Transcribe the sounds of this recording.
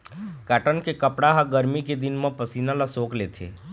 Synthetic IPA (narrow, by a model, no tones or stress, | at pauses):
kaːʈənkekəpɽaɦaɡəɾmiked̪ɪnmãpəsiːnãlasoːkleːt̪ʰḛː